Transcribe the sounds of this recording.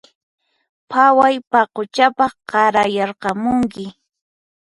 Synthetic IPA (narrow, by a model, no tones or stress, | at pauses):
pʰawajpaqot͡ʃapɑχqɑɾajɑɾqɑmʊŋkɪ